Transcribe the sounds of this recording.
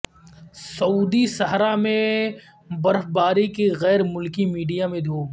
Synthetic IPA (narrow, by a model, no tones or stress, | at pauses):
sɐuːd̪isɐɦɾamẽ | bɐɾfbaːɾikeɣɛːɾmʊlkimiːɖijamẽd̪ʱoːɡ